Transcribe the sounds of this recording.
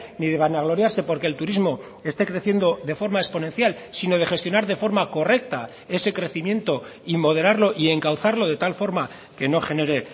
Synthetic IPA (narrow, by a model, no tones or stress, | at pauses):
niðe̞βanaɣlo̞ɾjaɾse̞po̞ɾke̞ːlt̪uɾizmo̞ | e̞st̪e̞kɾe̞θje̞nd̪o̞ðe̞fo̞ɾmae̞spo̞ne̞nθjal | sino̞ð̞e̞χe̞st̪jo̞naɾðe̞fo̞ɾmako̞re̞k̚t̪a | e̞se̞kɾe̞θimjẽ̞nt̪o̞imo̞ð̞e̞ɾaɾlo̞ʔie̞ŋkawθaɾlo̞ðe̞t̪alfo̞ɾma | ke̞no̞χe̞ne̞ɾe̞